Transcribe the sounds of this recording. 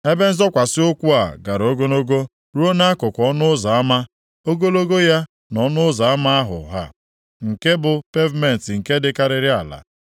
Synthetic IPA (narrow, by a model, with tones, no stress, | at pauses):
e˦be˦n̩˦zɔ˦kʷa˨sɪ˦ʊ˦kʷu˦a̰˨ɡa˨ɾo˦ɡo˦no˦ɡo˦ | ɾu˦o˦na˦a˦kʊ˨kʷɔ˦nʊ˦za˨a˦ma˦ | o˦ɡo˦lo˦ɡo˦ja˦ | nɔ˨˦nʊ˦za˨a˦ma˦a˦ɦʊ̰˨ɦa̰˦ | ŋ̩˨ke˦bʊ˨pe˦vme˨n̩˨tŋ̩˨ke˦dɪ˨ka˦ɾɪ˨ɾɪ˦a˨la̰˨